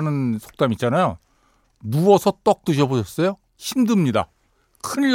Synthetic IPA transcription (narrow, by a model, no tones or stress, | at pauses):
nɯnsʰo̥k̚t͈amit̚t͡ɕ͈anajo | muʌsʰʌt͈ʌk̚t͈ɯɕʰʌboɕʰʌs͈ʌjo | çʰimdɯmɲida̰ | kʰɯnl